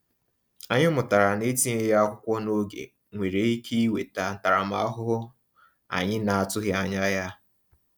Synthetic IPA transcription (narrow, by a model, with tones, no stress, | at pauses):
a˨ɲɪ˦mʊ˨ta˨ɾa˨ne˦ti˦e˦ja˦a˦kʷʊ˦kʷɔ˦no˦ɡḛ˨ | ŋʷe˨ɾe˨i˦kʰi˦i˦we˨ta˨n̩˨ta˨ɾa˨m̩˨a˦a˦ɦʊ˦ɦʊ˦ | a̰˨ɲɪ˦na˨a˨tʊ˦ɣɪ˦a˨ɲa˦ja˦